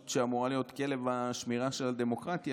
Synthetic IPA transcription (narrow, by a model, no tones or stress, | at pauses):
tʃeamuʁalijo̞t̪ke̞le̞vaʃmiʁaʃelad̪e̞mo̞kʁat̪ja